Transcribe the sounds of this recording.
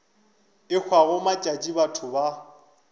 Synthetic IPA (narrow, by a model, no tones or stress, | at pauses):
ɪk͡xʰwaɣʊmat͡ʃʼat͡ʃʼibatʰʊba